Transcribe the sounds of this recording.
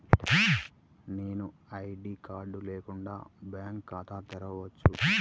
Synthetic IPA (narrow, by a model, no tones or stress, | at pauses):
ne̞ːnu | ɐjɖiːkaːɾɖuleːkuɳɖa̰ːbjaːŋkːaːt̪aːt̪ɛɾɐʋɐt͡ʃːu